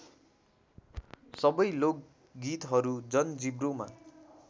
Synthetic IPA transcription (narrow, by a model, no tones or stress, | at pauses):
sʌbʌjlok̚ | ɡit̪ɦʌɾud͡zʌnd͡zibroma̰